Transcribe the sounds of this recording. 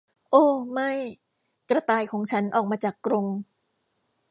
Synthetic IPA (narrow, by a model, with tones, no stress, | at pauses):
ʔoː˧˩ma˥˩j | kɾa˧t̪aː˧jkʰɔː˩˦ŋt͡ɕʰa˦˥nʔɔː˨˩k̚maː˧t͡ɕaː˨˩kːɾo˧ŋ